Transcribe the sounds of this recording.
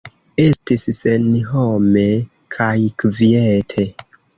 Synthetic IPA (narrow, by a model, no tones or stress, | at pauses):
e̞stissenɦome̞ | kʰajkvietʰe